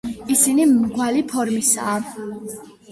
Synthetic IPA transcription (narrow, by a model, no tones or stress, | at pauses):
isinimɡwalipʰɔɾmisa̰ː